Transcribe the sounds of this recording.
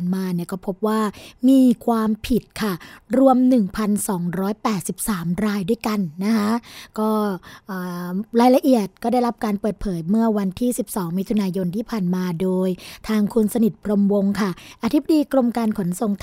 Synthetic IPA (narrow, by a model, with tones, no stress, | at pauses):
nmaː˧ni˥˩kɔː˥˩pʰo˦˥p̚waː˥˩miː˧kʰwaː˧mpʰi˨˩t̪̚kʰa˥˩ɾu˧əmnɯ˨˩ŋpʰa˧nsɔː˩˦ŋɾɔː˦˥jpɛː˨˩t̪̚si˨˩p̚saː˩˦mɾaː˧jdu˥˩əjka˧nːa˦˥kʰa˦˥ʔkɔː˥˩ʔɤː˨˩ɾaː˧jla˧ʔi˨˩ət̪̚kɔː˥˩da˥˩jɾa˦˥p̚kaː˧npəɤː˨˩t̪̚pʰɤː˩˦jmɯ˥˩ɐwa˧nt̪ʰiː˥˩si˨˩p̚sɔː˩˦ŋmi˦˥t̪ʰu˧naː˧jo˧nt̪ʰiː˥˩pʰaː˨˩nmaː˧doː˧jt̪ʰaː˧ŋkʰu˧nsa˧ni˨˩t̪̚pʰɾo˧mwo˧ŋkʰa˥˩ʔa˧t̪ʰi˦˥b̚a˧diː˧kɾo˧mkaː˧nkʰo˩˦nso˨˩ŋt̪ʰ